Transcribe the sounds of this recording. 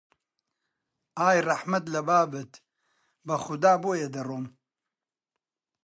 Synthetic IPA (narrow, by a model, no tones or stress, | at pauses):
aːjrɐħmɐt̪lɐbaːbɨt̪ | bɐxʊd̪aːboːjed̪ɐroːm